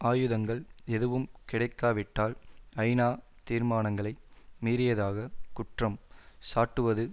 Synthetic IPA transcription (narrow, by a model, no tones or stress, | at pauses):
aːjɯðɐŋɡɐɭɛðɯʋɯmkɪɽɐɪkːaːʋɪʈːaːlɐɪnaː | t̪iːɾmaːnɐŋɡɐɭɐɪmiːɾɪjɐðaːɣɐkʊʈrɐmsaːʈːɯʋɐðɯ